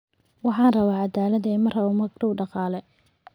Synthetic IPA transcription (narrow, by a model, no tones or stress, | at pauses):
wɑħɑːnrɐβaːʕɑd̪aːlɐd̪ɐɛmɐrɐʊmɐɡrʊwɖɑqɑːlɛ